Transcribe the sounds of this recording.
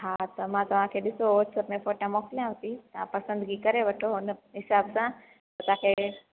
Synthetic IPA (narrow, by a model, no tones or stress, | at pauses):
ɦãt̪əmãt̪uʋ̤ãkʰeɗ̪ɪsoosəpmẽfoʈãmokljãɦt̪it̪ã̰pəsə̃nd̪ɡikəɾeʋəʈʰoɦonəɦɪsabsã | t̪ət̪ãkʰe